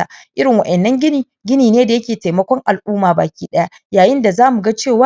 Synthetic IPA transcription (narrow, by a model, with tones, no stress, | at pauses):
a˨ʔɪ˦ɾɪ˨ŋwɐ˨ʔɛ˨nːɐ˦ŋɡʲɪ˦niː˨ | ɡʲɪ˦niː˨neː˦da˨jɐ˦kʲeː˨ta˨mɐ˦kʷɔ˦ŋʔa˨lʔuː˦maː˨ba̰ː˨kʲiː˦ɗɐ˦ja˦ | jaː˨jɪ˦nda˨zaː˦mu˨ɡa˦t͡ʃeː˦˨waː˦